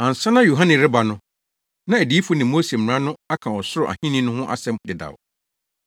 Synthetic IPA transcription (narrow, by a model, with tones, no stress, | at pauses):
ã˨n̩˨sã˦nã˦jo˨ɦã˦nɪ̃˨ɾɪ˦ba˨nʊ̃˦ | nã˦æ˨di˨˦fʊ˦nĩ˨mːo˦se˨m̩˨ɾã˦nʊ̃˦a˦kʰã˨wɔ˨sʊ˦ɾʊ˨ʔa̰˨hĩ˦nĩ˦nʊ̃˦hʊ̃˦ʔa̰˦sɛ̃˦mdɪ˨da̰˨w